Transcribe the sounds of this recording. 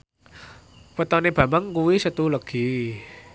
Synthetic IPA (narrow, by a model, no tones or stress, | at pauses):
pət̪ɔneb̥a̤baŋkuwisət̪uləɡ̥i